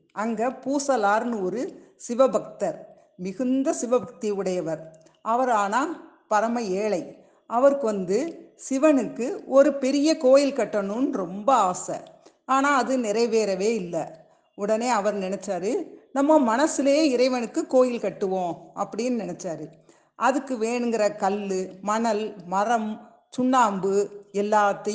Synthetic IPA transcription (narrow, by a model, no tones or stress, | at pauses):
ʔɐŋɡɐpuːsɐlaːɾnɯɔɾɯsɪʋɐbʱɐk̚t̪ɐɾ | mɪɣɯnd̪ɐsɪʋɐbʱɐk̚t̪iɯɽɐjɐʋɐɾ | ʔɐʋɐɾaːnaː | pɐɾɐmɐeːɭɐɪ | ʔɐʋɐɾɯkːɯʋɐnd̪ɯsɪʋɐnɯkːɯɔɾɯpɛɾɪjɐkoːjɪlkɐʈːɐnɯnɾɔmbɐaːsɐ̰ | aːnaːɐðɯnɪɾɐɪʋeːɾɐʋeːɪlːɐ | ʊɽɐneːɐʋɐɾnɪnɛt͡ʃːaːɾɯnɐmːɐmɐnɐsɪleeːɪɾɐɪʋɐnɯkːɯkːoːjɪlkɐʈːɯʋõːʔɐpːɐɽɪjnːɯnɪnɛt͡ʃːaːɾɯ | ʔɐðɯkːɯʋeːɳɯŋɡɪɾɐkɐlːɯmɐɳɐlmɐɾɐm | tʊɳːaːmbɯɛlːaːt̪ːɐ